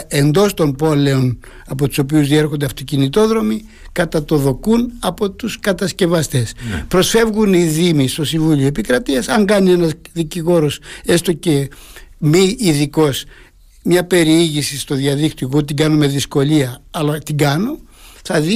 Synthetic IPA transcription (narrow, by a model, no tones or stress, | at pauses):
end̪o̞st̪o̞mbo̞le̞o̞n | ɐpo̞t̪u̥so̞p̬iuzðie̞ɾxo̞nd̪eɐft̪o̞cinit̪o̞ðɾo̞mi | kɐt̪ɐt̪o̞ðo̞kunɐpo̞t̪uskɐt̪ɐsce̞vɐst̪e̞spɾo̞sfe̞vɣuniðimist̪o̞siɱvulioepikɾɐt̪iɐsɐŋɡɐnie̞nɐzðiciɣo̞ɾo̞se̞st̪o̞ce̞miːðiko̞s | mɲɐpe̞ɾiiʝisist̪oðiɐðikt̪iokot̪iɡɐno̞me̞ðisko̞liɐɐlɐt̪iɡɐno̞ | θɐði